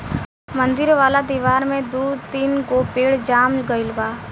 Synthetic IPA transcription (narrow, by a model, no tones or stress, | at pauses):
mə̃nd̪ɪɾʋaːlad̪iːʋaːɾmẽd̪uːd̪t̪iːnkoːpeːɽd͡ʒaːmɡəɪlbaː